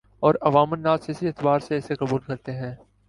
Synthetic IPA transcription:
ɔːɾɐʋaːmənːaːt̪sɪsiɪːt̪baːɾseɛseqɐbuːlkɐɾt̪eɦɛ̃ː

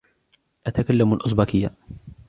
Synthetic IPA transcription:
ʔat̪akalːamalʔʊs̬ˤbaːkɪjːa

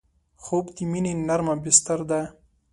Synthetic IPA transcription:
xobd̪iminenaɾmabɪst̪aɾd̪a

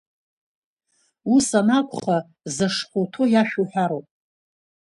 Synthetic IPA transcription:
usanakʷʰʼχa | zaʂχʷotʰojaʃᶣuħʷᶣaɾowpʼ

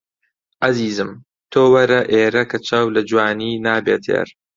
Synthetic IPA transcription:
ʔɐziːzɨm | t̪ʰoːwɐɾɐʔeːɾɐkɐt͡ʃʰaːwlɐd͡ʒwaːniːnaːbeːt̪ʰḛɾ

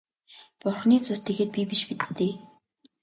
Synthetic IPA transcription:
pʊrχniːt͡sʰʊst̪ʰeɣeːt̪̚pʲipiʃpit̪t̪eː

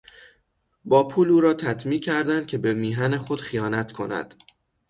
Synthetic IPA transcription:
bɒːpʰuːluːɾɒːt̪ʰæt̪ʰmiːcʰæɾd̪ænd̪̚cʰe̞be̞miːɦænexo̞d̪̥xijɒːnæt̪ʰkʰo̞næ̰d̪̥

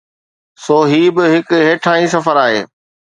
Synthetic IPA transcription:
soːɦiːbɪɦɪkɦeːʈʰãːĩːs̬ɐfəɾaːɦeː

